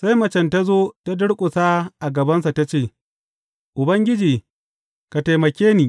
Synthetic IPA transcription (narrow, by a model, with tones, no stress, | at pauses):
sa˦jmɐ˨t͡ʃɛ˨nta˦zoː˦ta˦dʊ˦ɽkʷʼʊ˨sa˦ʔa˨ɡɐ˨bɐ˦nsa˨ta˦t͡ʃeː˦˨ | ʔʊ˨bɐ˦ŋɡʲɪ˦d͡ʒiː˨ | ka˨ta˨jmɐ˨kʲeː˦niː˨